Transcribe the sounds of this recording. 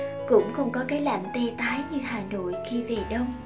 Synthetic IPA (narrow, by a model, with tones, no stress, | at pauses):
kʊ̰˧˥ŋ͡mxə˧wŋ͡mkɔ˨˦kaː˨˦jla̰˧˨jŋ̟t̪e˧t̪aː˨˦jɲɨ˧haː˨˩no̰˧˨jxi˧ve˨˩ɗə˧wŋ͡m